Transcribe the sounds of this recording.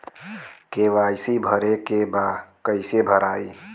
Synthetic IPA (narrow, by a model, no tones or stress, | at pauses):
keʋajsibʱəɾekebakəɪsebʱəɾaːi